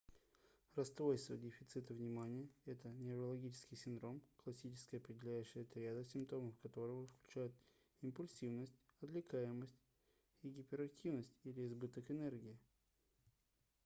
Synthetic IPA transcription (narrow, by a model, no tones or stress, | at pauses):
rɐst̪vo̞jst̪və̰dʲɪfʲɪt̪sɨt̪əvnʲɪmanʲɪjəɛt̪ənʲɪɾəlˠɐɡʲit͡ɕɪ̥skʲɪjsʲɪnd̪ɾo̞mklˠɐsʲit͡ɕɪ̥skəjɐpɾʲɪdʲɪlʲæjʉɕːɪjɐt̪ɾʲad̪əsʲɪmpt̪o̞məfkɐt̪o̞ɾəvəfklʲʉt͡ɕæjʊt̪ | ɪmpʊlʲsʲivnəsʲtʲɐt̪lʲɪkajɪməsʲtʲ | iɡʲɪpʲɪɾɐk̚tʲivnəsʲtʲilʲɪzbɨt̪əkɨnerɡʲɪɪ